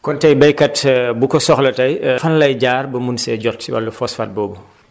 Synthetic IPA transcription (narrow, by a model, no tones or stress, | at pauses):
kɔntɐjbɐjkɐtbukɔsɔxlɐtɐjfɐnlɐjɟaːrbɐmunsɛɟɔtsiwɐ̰lːɐfɔsfa̰t̚bɔːbu